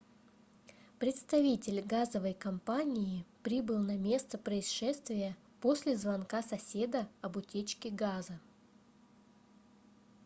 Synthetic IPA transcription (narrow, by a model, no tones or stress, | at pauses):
pɾʲɪt̪st̪ɐvʲitʲɪlʲɡazəvəjkɐmpanʲɪjɪpɾʲibɨlˠnɐmʲe̞st̪əpɾəɪsʂɛst̪vʲɪjə | po̞sʲlʲɪzvɐnkasɐsʲe̞d̪əɐbʊtʲet͡ɕkʲɪɡazə